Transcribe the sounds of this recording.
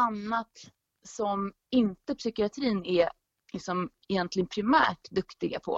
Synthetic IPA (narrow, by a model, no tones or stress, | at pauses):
anːat̪ | sɔm | ɪnt̪əpsʏkɪat̪ʰɾiːnɛ | lɪksɔmɛjɛnt̪ʰlɪɡənpʰɾɪmæ̰ːʈd̪ɵkt̪ɪɡa̰pʰɔ̰